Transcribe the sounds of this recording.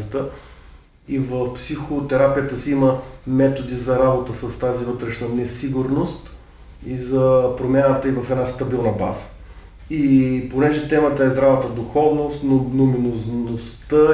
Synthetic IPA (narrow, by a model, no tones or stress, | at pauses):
t̪ə | ivəfpsixot̪ɛɾapijət̪əsiiməmɛt̪od̪izɐɾabot̪əsɐst̪azivɤt̪ɾɛʃnənɛsiɡuɾnost̪ | izɐpɾomʲjanət̪əivɐfɛd̪nast̪ɐbilˠnəba̰zə̥ | iponɛʒɛt̪ɛmət̪əɛzd̪ɾavət̪əd̪ʊxɔvnost̪nonominoznost̪ə